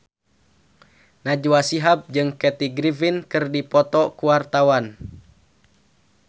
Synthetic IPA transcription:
nad͡ʒuwasiɦab̚d͡ʒɨŋkɛt̪iɡɾivinkɨrdipɔt̪ɔkuwart̪awan

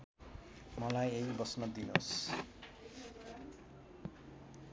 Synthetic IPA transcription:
mʌlajeibʌsnʌd̪inos

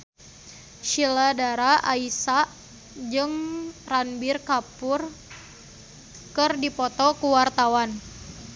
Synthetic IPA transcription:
ʃiladaɾaʔaisaʔ | d͡ʒɨŋranbirkapʊr | kɨrdipɔt̪ɔkuwart̪awan

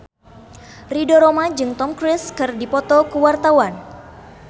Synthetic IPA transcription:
ridoɾomad͡ʒɨŋt̪ɔmkɾɪskɨrdipɔt̪ɔkuwart̪awan

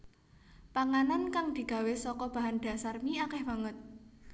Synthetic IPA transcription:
paŋanankaŋd̪̥i̤ɡ̥a̤wesɔkɔb̥ä̤ɦand̪̥a̤sarmiakɛhmaŋət̪̚

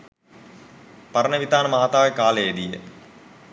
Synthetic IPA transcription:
pɐɾənəʋit̪aːnəmaɦat̪aːʋekaːlejed̪ijə̰

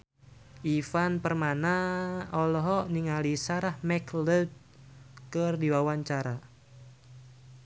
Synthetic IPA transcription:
ʔifanpərmanaɔlɔɦɔʔniŋalisaɾahmɛkləd̪̚ | kərdiwawaɲt͡ʃaɾa

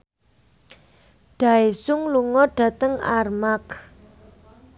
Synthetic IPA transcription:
ɖ̥ä̤esʊŋluŋɔɖ̥ä̤t̪əŋa̰rmak

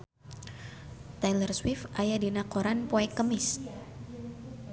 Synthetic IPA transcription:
t̪alərswɪfʔajadinakoɾanpoɛkːəmɪs

